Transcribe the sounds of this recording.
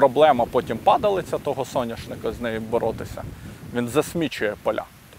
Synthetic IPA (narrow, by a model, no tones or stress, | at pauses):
ɾɔblˠɛmɐpɔtʲimpɑd̪ɐlˠɪt͡sʲːɐt̪ɔɦɔsɔnʲɐʃnɪkɐznɛjʊbɔɾʔɔt̪ɪsʲɐ̰ʋʲinzɐsʲmʲit͡ʃʊjɛpɔlʲa̰